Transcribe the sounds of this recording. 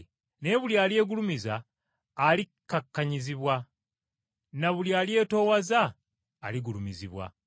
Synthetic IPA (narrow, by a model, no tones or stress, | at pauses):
ne̞βuljaːlje̞ːɡulumizaː | likːakːaɲiziβwa | naβuljaːlje̞ːto̞ːwazaː | liɡulumiziβwa̰